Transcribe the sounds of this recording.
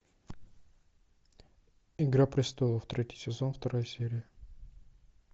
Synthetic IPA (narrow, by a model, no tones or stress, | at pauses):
ɪɡɾapɾʲɪst̪olˠəft̪ɾʲetʲɪ̥jsʲɪzonft̪ɐɾajsʲeɾʲɪjə